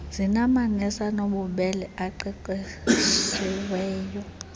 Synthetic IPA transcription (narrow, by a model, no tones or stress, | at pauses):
zinamaŋɛsanoɓuɓɛlɛaǃiǃisiwɛːjɔ